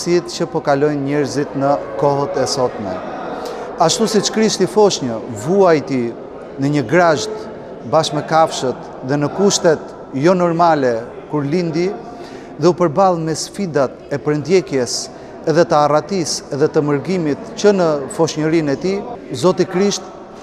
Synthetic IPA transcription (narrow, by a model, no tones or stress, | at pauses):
sit̪cəpɔkalɔjnɲɛɾzit̪nəkɔɦət̪ɛsɔt̪mɛ̰ | aʃt̪usit͡ʃkɾiʃt̪ifɔʃɲəvuajt̪i | nəɲəɡɾaʒt̪ | baʃmɛkafʃət̪ | ðɛnəkuʃt̪ɛt̪ | jɔnɔɾmalɛ | kuɾlind̪i | ðɛupəɾbalˠmɛsfid̪at̪ɛpəɾənd̪jɛkjɛs | ɛðɛt̪əarat̪isɛðɛt̪əməɾɡimit̪cənəfɔʃɲəɾinɛt̪izɔt̪ikɾiʃt̪